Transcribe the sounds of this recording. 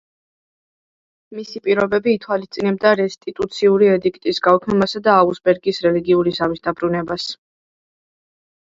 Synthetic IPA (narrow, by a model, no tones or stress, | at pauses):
misipʼiɾɔbɛbiːt̪ʰwalist̪sʼinɛb̚d̪aɾɛst̪ʼit̪ʼut̪sʰiuɾiɛd̪ikʰt̪ʼisɡaukʰnɛmasad̪aːusbɛɾɡisɾɛliɡiuɾisamisd̪abɾunɛbas